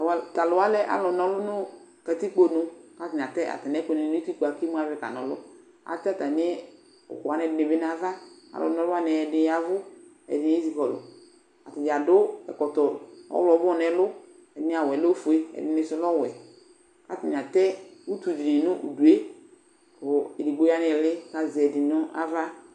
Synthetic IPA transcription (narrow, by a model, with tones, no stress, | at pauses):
ta˨lʊ˨a˦lɛ˦ʔa̰˦lɔ˨nɔ˨˦lʊ˦nʊ˦ | kɛ˨ti˦k͡po˨nʊ̃˨ka˦tɪ˨ɲ˨a˨tɛ˦ʔa̰˨ta˨nɛ˨˦kɔ˨nɪ˨˦i˦ti˦ku˨a˨ki˦m˦a˨vɪ˨˦ka̰˨nɔ˨lʊ̰˦ | a̰˨tɛ˦ta˨nɪ˦ | ʊ̰˨kʊ˨a˨nɛ˨dɪ˨nɪ˨bɪ˦n˦a˨va˦a̰˨lʔɔ̰˨nɔ˨˦lʊ˦a˦nɛ˨ɛ˨dɪ˨ja˨vʊ˦ | ɛ̰˨dɪ˨n˦e˦zi˨kɔ˨lʊ̰˨ | a̰˨tɪ˨d͡ʒa˨dʊ˦ɛ̰˨kɔ˨tɔ˨ɔ̰˦wlɔ˨˦bnɛ˨lʊ˦ | ɛ˨dɪ˦n˦a˨wɛ˨lo˦fu˨e˦ɛ̰˨dɪ˨˦nɪ˨sʊ˦lɔ˦˨wɛ˨ | ka˦tɪ˨ɲ˨a˨tɛ˦u˦tu˨d͡ʒi˨i˨nʊ˦ʔṵ˨du˨e˦ | kʊ˨ɪ˨di˨ɡ͡bo˦ja˦nɪ˨lɪ˦ka˨zɪ˨ɛ˨dɪ˨nʊ˦ʔa̰˦va˦